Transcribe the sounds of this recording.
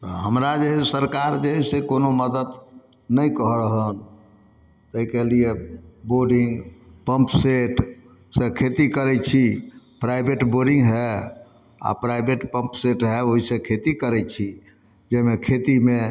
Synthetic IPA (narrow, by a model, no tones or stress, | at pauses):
t̪ɔɦəmɾad͡ʒeɦɛssəɾkaɾd͡ʒeɦɛsekonoməd̪əd̪ | nəjkəɦɾəɦən | t̪əikelieboɾɖĩŋɡpəmpseʈ | sekʰet̪ikəɾɛt͡ʃʰi | pɾajbeʈboɖĩŋɡɦɛ | a̰pɾajbeʈpə̃mpseʈɦɛoɦisekʰet̪ikəɾɛt͡ʃʰi | d͡ʒemekʰet̪ime